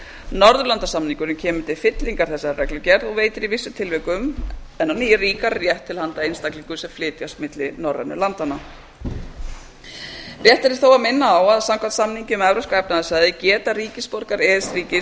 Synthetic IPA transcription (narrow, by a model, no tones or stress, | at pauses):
nɔɾðʏlant̪asamniŋkʏɾɪmcʰɛːmʏ̥t̪ʰɪlfɪt̪liŋkaɾ̥θɛsːaɾrɛklʏcɛɾðɔɣveːjt̪ɪɾivɪsːʏmt̪ʰɪlvɛkʏmɛnhɔnijɪriːkaɾrjɛht̪ʰːɪlhant̪aejnst̪akliŋkʏsɛmflɪːt̪jast̪mɪt̪lɪnɔrːɛ̰nʏ̰lant̪ana | rjɛht̪ɛɾɪɾ̥θowaðmɪnːaːwaðsamkʰvat̪samniɲcɪmɛvɾaskaɛpnaðasaðɪcɛːt̪aɾiːcɪspɔɾkaɾɛːðɪsɾiːcɪ